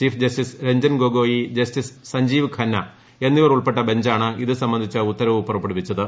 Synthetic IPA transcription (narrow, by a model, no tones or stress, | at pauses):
iːfd͡ʑɐstisɾeɲd͡ʑɐnɡoːɡo̞ːjid͡ʑɐstissɐɲd͡ʑiːʋkʰɐnːɐ | e̞nːiʋɐruɭpeʈːɐbe̞ɲd͡ʑaːɳɨiðɨsɐmbɐnd̪ʱit͡ɕːɨut̪ːɐɾɐʋupurɐpːeɽupːit͡ɕːɐðɨ